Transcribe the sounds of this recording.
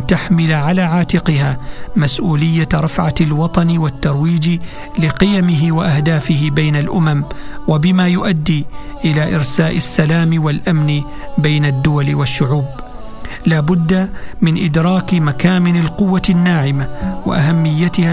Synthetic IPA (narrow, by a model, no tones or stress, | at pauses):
t̪aħmɪlʕalaːʕaːt̪ɪqɨhaːmasʔuːlɪjːaɾˤɑfʕalwɑt̪ˤɑnwat̪ːɑɾˤwiːd͡ʒ | lɪqɪjamɪɦɪwaʔahd̪aːfɪhɪbajnalʔʊmamwabɪmaːjʊʔad̪ːiːʔɪlaːʔɪɾsaːʔɪsːalaːmwalʔamn | bajnad̪ːʊwalwaʃːʊʕuːb̚ | laːbʊd̪ːamɪnʔɪd̪ɾˤɑːkmakaːmɪnɪlqʊwːanːaːʕɪmawa̰ʔaɦamːɪjːat̪ɪha